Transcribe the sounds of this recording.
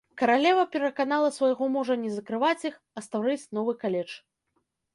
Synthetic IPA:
kɐɾalʲɛvɐpʲɛɾɐkanalˠɐsvɐjɣɔmɔʐɐnʲɛzɐkɾɨvat͡sʲix | ɐst̪awɾɛsʲnɔvɨkalʲɛt͡ʂ

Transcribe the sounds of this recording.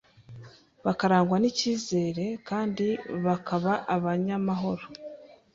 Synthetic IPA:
βakaɾaːŋɡwaniciːze̞ːɾe̞kaːndiβakʰaβaʔaβaɲamaɦo̞ɾo

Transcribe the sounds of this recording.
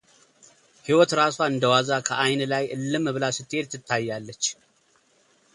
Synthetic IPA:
hiwɔt̪ɾaswaɨnd̪əwazakʰəʔajnlajʔɨlːɨmɨβɨlasɨt̪ʼːe̞t̪ʰːɨt̪ʰːajːalːət͡ʃː

